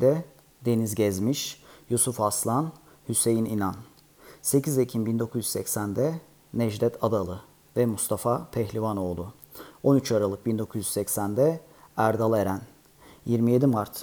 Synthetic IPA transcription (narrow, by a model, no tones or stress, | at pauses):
d̪ɛ | d̪e̞nizɟɛzmiʃjusufaslˠan | hyse̞jininan | se̞cʰizecʰimbind̪o̞kʰuzjyssɛcsænd̪ɛ | nɛʒd̪ɛt̪ʰad̪alˠɯ | vɛmust̪ʰafapʰɛçlʲivano̞ːlˠʊ | o̞nyt͡ʃʰaɾalˠɯk̚bind̪o̞kʰuzjyzsɛcsænd̪ɛ | æɾd̪alˠeɾæn | jiɾmije̞d̪imaɾt̪